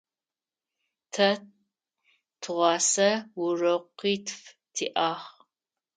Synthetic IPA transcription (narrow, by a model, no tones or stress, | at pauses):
tʰɐ | tʰɨʁʷɑːsɐwʊrɐqiːtʰf | tʰḭːʔaːχ